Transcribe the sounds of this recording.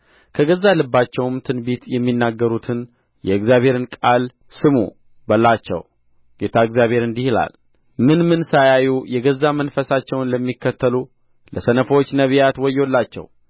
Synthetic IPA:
kʰəɡəzːalɨbːat͡ʃːɛwmt̪ʰɨnbit̪jɛmːinːaɡːəɾut̪ʰɨn | jɛɨɡzjaβhe̞ɾɨnkʼal | sɨmṵ | bəlːat͡ʃːɛ̰w | ɡ̥et̪ʰaɨɡzjaβʱhe̞ɾɨnd̪ihila̰l | mɨnmɨnsajajujɛɡəzːamənfəsat͡ʃːɛwnləmːikːət̪ːəlu | ləsənəfəwot͡ʃːnəβjat̪wɔjːɛwlːat͡ʃːɛ̰w

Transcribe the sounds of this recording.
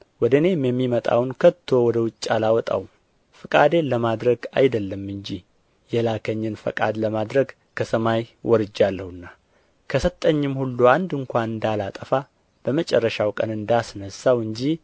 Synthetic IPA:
wɔd̪əne̞mjɛmːimət̪ʼa̰wnkʰət̪ʰːo̞wɔd̪əwʊt͡ʃʼːalawɔt̪ʼa̰w | fɨkʼa̰d̪e̞ləmad̪ɾəɡajd̪əlːəmɨɲd͡ʒi | jɛlakʰəɲːɨnfə̰kʼa̰d̪ləmad̪ɾəɡ | kʰəsəmajwʔɔɾɨd͡ʒːalːəhɨnːa | kʰəsət̪ʼːəɲːɨmhulːuand̪ɨŋkʷanɨnd̪alat̪ʼəfa | b̥əmət͡ʃʼɛrːəʃawkʼənɨnd̪asnəsawɨɲd͡ʒi

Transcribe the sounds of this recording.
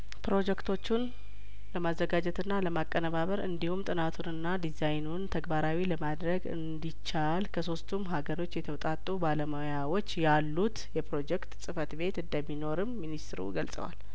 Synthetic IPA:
pɾo̞d͡ʒɛkt̪ʰo̞t͡ʃːun | ləmazːəɡad͡ʒɛt̪ɨnːaləmakʼːənəβaβəɾɨnd̪ihumt̪ʼɨnat̪ʰunɨnːad̪izajnunt̪ʰəɡbaɾawiləmad̪ɾəɡɨ̰nd̪it͡ʃːalkʰəso̞st̪ʰumɦaɡəɾo̞t͡ʃːjɛt̪ʰəwt̪ʼat̪ʼːubaləmajawo̞t͡ʃːjalːut̪jɛpɾo̞d͡ʒɛkt̪sʼɨfət̪be̞t̪ɨnd̪əmːino̞ɾɨmːinist̪ɨɾṵɡəlsʼə̰wa̰l

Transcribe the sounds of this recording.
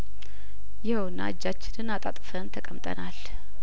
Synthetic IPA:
jɛhwna̰d͡ʒːat͡ʃːɪnɨnat̪ʼat̪ʼfənt̪ʰəkʼəmt̪ʼə̰nal

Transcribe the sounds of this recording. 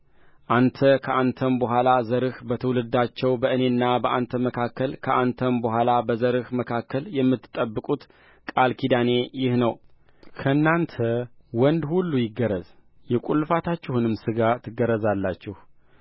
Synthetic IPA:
ʔant̪ʰəkʰəant̪ʰənbəɦʷalazəɾɨhbət̪ʰəwlɨd̪at͡ʃːɛwbəʔɨne̞nːabəʔant̪ʰəməkʰakːəlkʰəant̪ʰənbəhʷalabəzəɾɨhməkʰakːəljɛmːɨt̪ːɨ̥t̪ʼəbːɨkʼut̪ | kʼalkʰid̪ane̞jɪhnəw | kʰəɨnːant̪ʰəwɔnd̪hulːujɪɡːəɾəzjɛkʼulːɨfat̪ʰat͡ʃːɪhunɨmsɨɡat̪ʰɨɡəɾəzalːat͡ʃːɪh

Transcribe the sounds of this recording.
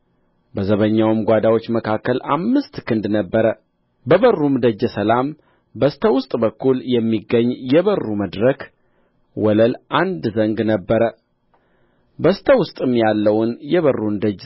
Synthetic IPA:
bəzəβəɲːawɨmɡʷad̪awo̞t͡ʃːməkʰakːəlʔa̰mːɨst̪kɨnd̪nəbːəɾə | bəβərːumd̪əd͡ʒːəsəlam | bəst̪ʰəwʊst̪ʼbəkʰːuljɛmːiɡːəɲːjɛβərːuməd̪ɾəkʰ | wɔləlʔand̪zəŋɡnəbːəɾə | bəst̪ʰəwʊst̪ʼɨmːjalːəwnjɛβərːumd̪əd͡ʒ

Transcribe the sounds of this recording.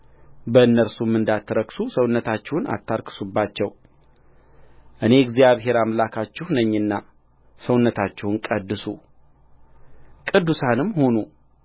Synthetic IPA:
bəɨnːəɾsumːɨnd̪at̪ʰːəɾəksusəwʊnːət̪ʰat͡ʃːɛwʊna̰t̪ʰːaɾkʰɨ̥subːat͡ʃːɛw | ʔɨne̞ɨɡzijaβɦe̞ɾamlakʰat͡ʃːɪhnəɲːɨnːa | səwʊnːət̪ʰat͡ʃːɛwʊnkʼəd̪ːɨsṵ | kʼɨd̪ːusanɨmːho̞nu

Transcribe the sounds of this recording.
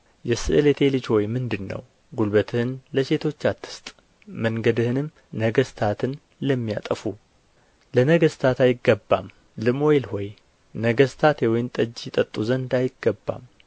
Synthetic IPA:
jɛsɨ̰ʔɨlet̪ʰe̞lɨt͡ʃho̞jmɨnd̪ɨnːə̰w | ɡulbət̪ʰɨhɨnləse̞t̪ʰo̞t͡ʃːat̪ʰːɨ̥st̪ʼ | məŋɡəd̪ɨhɨnɨm | nəɡəst̪ʰat̪ʰɨn | ləmːija̰t̪ʼəfu | lənəɡəst̪ʰat̪ajɪɡːəbːa̰m | lɨmo̞jelhɔj | nəɡəst̪ʰat̪ʰewɔjmt̪ʼəd͡ʒɪt̪ʼət̪ʼːuzənd̪ajɪɡːəbːa̰m

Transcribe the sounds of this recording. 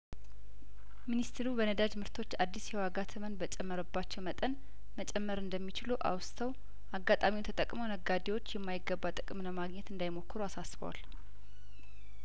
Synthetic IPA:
minist̪ʰeɾubənəd̪ad͡ʒmɨɾt̪ʰo̞t͡ʃːad̪ːisjɛwaɡat̪ʰɨmənbət͡ʃʼɛmːəɾəbːat͡ʃːɛwmət̪ʼən | mət͡ʃʼɛmːəɾɨnd̪əmːit͡ʃɪluʔa̰wst̪ʰəw | ʔaɡːat̪ʼamint̪ʰət̪ʼəkʼməwnəɡad̪ewo̞t͡ʃːjɛmːajɪɡːəbːat̪ʼɨkʼɨmləmaɡɲɛt̪ɨnd̪ajɪmo̞kːɨɾuasasbəwa̰l

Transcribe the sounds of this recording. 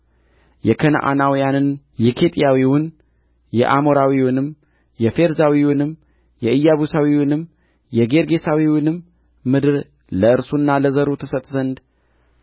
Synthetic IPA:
jɛkʰən̰ʔa̰nawijanɨn | jɛkʰe̞t̪ʼijawiwʊn | jɛ̰ʔamo̞ɾawiwʊnɨm | jɛfe̞ɾzawiwʊnɨm | jɛɨjːaβusawiwʊnɨm | jɛɡe̞ɾɡe̞sawiwʊnɨmː | ɨd̪ɨɾ | ləɨɾsunːaləzəɾut̪ʰəsət̪ʼzənd̪

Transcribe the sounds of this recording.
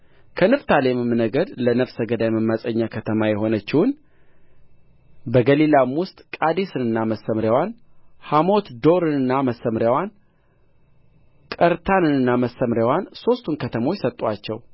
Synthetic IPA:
kʰənɨft̪ʰalemɨmnəɡəd̪lənəfsəɡəd̪ajməmːasʼəɲːakʰət̪ʰəmajɛho̞nət͡ʃːɪwʊn | bəɡəlilamwʊst̪ʼkʼad̪esɨnɨnːaməsːəmɾjawanhamo̞t̪d̪o̞ɾɨnɨnːaməsːəmɾjawan | kʼəɾt̪ʰanɨnɨnːaməsːəmɾjawanso̞st̪ʰunkʰət̪ʰəmo̞t͡ʃːsət̪ʼat͡ʃːɛw

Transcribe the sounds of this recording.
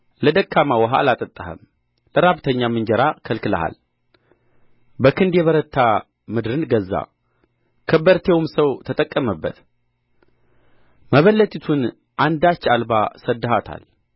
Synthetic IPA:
ləd̪əkʰːamawəɦa̰lat̪ʼət̪ʼːəhə̰m | ləɾaβt̪ʰəɲːamɨɲd͡ʒəɾakʰəlkɨlə̰ha̰l | bəkʰɨnd̪jɛβəɾət̪ʰːa | mɨd̪ɾɨnɡəzːa̰ | kʰəbːəɾt̪ʰewmsəwt̪ʰət̪ʼəkʼːəməbːə̰t̪ | məβəlːət̪ʼit̪ʰun | ʔand̪at͡ʃːalbasəd̪ːəhat̪ʰa̰l

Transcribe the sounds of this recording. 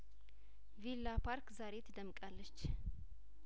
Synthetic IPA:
vilːapʰaɾkzaɾe̞t̪ʰɨd̪əmkʼalːət͡ʃː

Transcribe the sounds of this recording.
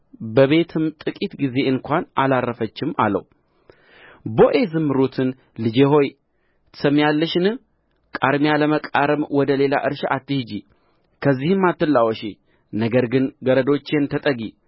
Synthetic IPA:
bəβe̞t̪ʰɨmt̪ʼɨkʼit̪ɡize̞ɨŋkʷanʔalarːəfət͡ʃːɪma̰lə̰w | bo̞ʔe̞zɨmːɨɾut̪ʰɨn | lɨd͡ʒe̞ho̞j | t̪səmːijalːəʃɨnɨ | kʼaɾmijaləməkʼaɾəmwɔd̪əle̞la̰ʔɨɾʃʔat̪ːɨhd͡ʒi | kʰəzːihɨmːat̪ːɨlːawɔʃi | nəɡəɾɡɨnɡəɾəd̪o̞t͡ʃːe̞nt̪ʰət̪ʼəɡi

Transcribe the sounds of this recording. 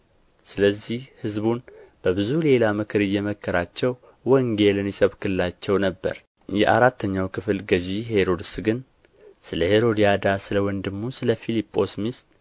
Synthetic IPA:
sɨləzːihhɨzbunb̥əbɨzule̞lamɨkʰɨɾɨjɛməkːəɾat͡ʃːɛw | wəŋɡelɨnjisəβkɨlɨlat͡ʃːɛwnəbːə̰ɾ | jɛ̰ʔa̰ɾat̪ʰːəɲːawkʰɨfɨlɡəʒiɦe̞ɾo̞d̪ɨsɡɨn | sɨləheɾo̞d̪ijad̪asɨləwɔnd̪ɨmːusɨləfilipʼːo̞smist̪̚

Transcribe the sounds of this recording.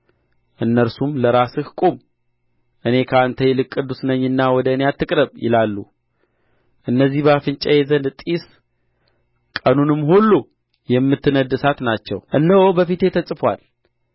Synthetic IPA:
ʔɨnːəɾsumləɾasɨhkʼom | ʔɨne̞kʰəant̪ʰəjɛlɨkʼːɨd̪usnəɲːɨnːawɔd̪əɨnejat̪ʰːɨkʼɾəβjɪ̰lalːṵ | ʔɨnːəzːihbafɨnt͡ʃʼɛjezənt̪ʼis | kʼənunɨmːhulːu | jɛmːɨt̪ːɨnəd̪ɨsat̪nat͡ʃːɛ̰wʔɨnːəwobəfit̪e̞t̪ʰəsʼɨfwa̰l

